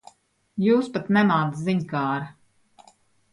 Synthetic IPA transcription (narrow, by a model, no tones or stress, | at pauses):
juːspat̪nɛmaːt̪sziɲkaːɾ